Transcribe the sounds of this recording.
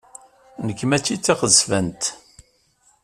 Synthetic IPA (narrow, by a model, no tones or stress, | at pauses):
nəkːmæt͡sːit͡sːiχəsvænt̪